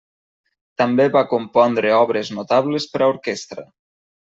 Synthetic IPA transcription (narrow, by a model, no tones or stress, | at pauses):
t̪ambeβakompɔnd̪ɾeɔβɾeznot̪aβlespəɾaoɾkest̪ɾə̰